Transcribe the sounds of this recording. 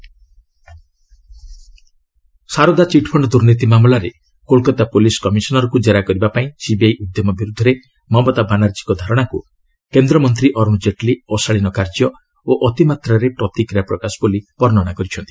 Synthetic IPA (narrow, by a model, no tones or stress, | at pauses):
saɾod̪at͡ʃiʈpʰɔɳɖɔd̪uɾnit̪imamlaɾe | kolkɔt̪apoliskɔmisɔnɔɾɔkud͡ʒeɾakɔɾibapaĩsibiajʔud̪jɔmɔbiɾud̪ʱɔɾe | mɔbɔt̪abanaɾd͡ʒikɔd̪ʱaɾɔɽ̃aku | kend̪ɾɔmɔnt̪ɾiʔɔɾmɔd͡ʒeʈliɔsaɭinɔkaɾd͡ʒjɔ | oʔɔt̪imat̪ɾaɾepɾɔt̪ikɾijapɾɔkasɔ̥bɔlipɔɾnɔɽ̃akɔɾit͡ʃʰɔnt̪ii